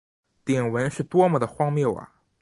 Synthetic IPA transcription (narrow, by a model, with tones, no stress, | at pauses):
t̪jɛ˨˩nwə˧˥nʂɻ̩˥˩t̪wɔ˥mə˨˩d̪ə˩xwɑ˥ŋmjo˥˩ʊɐ̰˩